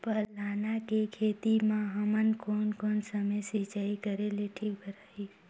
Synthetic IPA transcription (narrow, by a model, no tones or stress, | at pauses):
pəɦlaːnakekʰeːt̪imãɦəmənkoːnkoːnsəməjsit͡ʃaikəɾeleʈʰiːk̚bʱəɾaːi